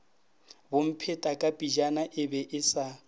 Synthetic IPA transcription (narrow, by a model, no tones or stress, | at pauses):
bʊm̩pʰɛtʼakʼapʼid͡ʒanaʔɪbɛʔɪsa